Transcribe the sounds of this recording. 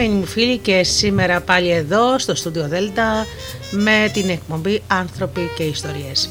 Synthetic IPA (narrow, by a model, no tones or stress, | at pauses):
enimufilice̞sime̞ɾɐpɐʎie̞ðo̞st̪o̞st̪uðio̞ðe̞lt̪ɐ | me̞t̪ine̞k̚po̞mbiɐnθɾo̞pice̞ist̪o̞ɾies